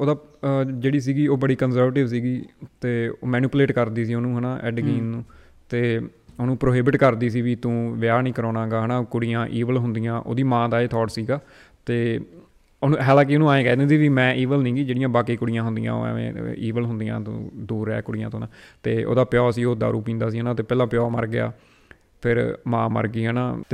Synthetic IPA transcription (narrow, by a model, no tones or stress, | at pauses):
oːd̪aːd͡ʒeːɽiːs̬iːɡiːoːbəɽiːkənsəɾʋeːʈɪʋs̬iːɡiːt̪eːoːmɛːnuːpleːʈkəɾd̪iːs̬iːoːnũːɦənaːʔɛ̰ːɖɡiːnnũː | t̪eː | oːnũːpɾoːɦɪbɪʈkəɾd̪iːs̬iːʋiːt̪ũːʋɪjaːnĩːkəɾoːnãːɡaːɦənaːkʊɽɪjãːʔiːʋəlɦʊnd̪ijãːʔo̰ːd̪iːmãːd̪aːeːt̪ʰɔːʈsiːɡaː | t̪eː | onũːɦɛːlãːkioːnũːaːẽːkɛːd̪ẽːsiːʋiːmɛ̃ːʔiːʋəlnĩːɡiːd͡ʒeːɽɪjãːbaːkiːkʊɽɪjãːɦʊnd̪ɪjã̰ːo̰ːɛ̰ḛ̃ːiːʋəlɦʊ̃nd̪ijã̰ːt̪ṵ̃ːd̪uːɾɛ̰ːkʊɽɪjã̰ːt̪õːnaːt̪eːʔo̰ːd̪aːpjɔːsiːoːd̪a̰ːɾuːpĩːnd̪aːsiːɦənãːt̪eːpɛːlãːpɪjɔːmə̰ɾɡɪja̰ː | pʰɪɾmã̰ːmə̰ɾɡiːɦəːnaːt̪ː